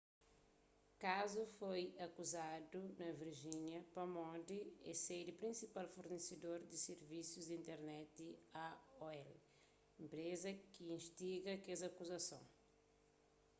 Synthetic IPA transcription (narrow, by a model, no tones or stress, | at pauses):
kazufojɐkuzad̪unɐviɾʒiɲjɐpɐmɔ̃d̪iɛsed̪ɪpɾĩsipalfuɾnesed̪oɾd̪iseɾvisuzd̪ĩnt̪ɛɾnɛt̪̚d̪iaɔɛl | ẽmpɾezɐkiĩʃt̪iɡɐkezɐkuzɐsõ̰w̃